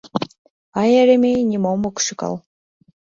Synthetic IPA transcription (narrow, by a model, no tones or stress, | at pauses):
ɑjæɾemʲejnʲimomoku̥ʃɨkɑ̰lˠ